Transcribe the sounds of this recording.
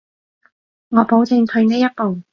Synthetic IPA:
ŋɔː˨˧po˨˥wt͡sɪ˧ŋt̪ʰɵ˧ɥneː˥jɐ˥t̚po˨w

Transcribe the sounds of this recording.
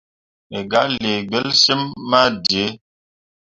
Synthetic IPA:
e˨ɡa˨˦le˨ɡ͡bə˦lse˦mːa˦di˨e˨˦

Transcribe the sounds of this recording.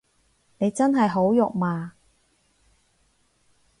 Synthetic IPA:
ne˨˧jt͡sɐ˥nɦɐ˨jɦo˨˥wjʊ˨k̚maː˨

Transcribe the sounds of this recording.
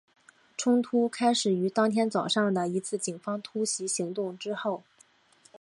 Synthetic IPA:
ʈ͡ʂʰʊ˥ŋt̪ʰu˥kʰa˥ɪʂɻ̩˨˩y˧˥t̪ɑ˥ŋt̪ʰjɛ˥nt͡sɑ˨˩ʊʂɑ˥˩ŋd̪ə˩i˧˥t͡sʰɹ̩˥˩t͡ɕi˨˩ŋfɑ˥ŋt̪ʰu˥ɕi˧˥ɕi˧˥ŋt̪ʊ˥˩ŋʈ͡ʂɻ̩˥xo˥˩ʊ

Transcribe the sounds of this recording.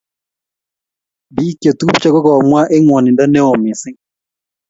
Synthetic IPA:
bi˦ke˨t̪u˦pt͡ʃa˨˦kɔ˦kɔ˨mwa˦ʔe˦ŋwɔ˨nɪ˨nda˦nɛ˦ɔ˨mɪ˨sɪ˦

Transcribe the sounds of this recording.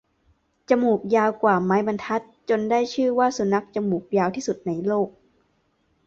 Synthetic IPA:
t͡ɕa˧˨muː˨˩k̚jaː˧wkwaː˨˩maː˦˥jba˧nt̪ʰa˦˥t̪̚t͡ɕo˧ndaː˥˩jt͡ɕʰɯː˥˩waː˥˩su˨˦na˦˥k̚t͡ɕa˧muː˨˩k̚jaː˧wt̪ʰiː˥˩su˨˩t̪̚na˧jloː˥˩k̚

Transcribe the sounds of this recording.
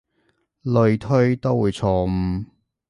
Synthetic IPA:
lɵ˧ɥt̪ʰɵ˥ɥt̪o˥wwuː˨˧jt͡sʰɔː˧m̩˧

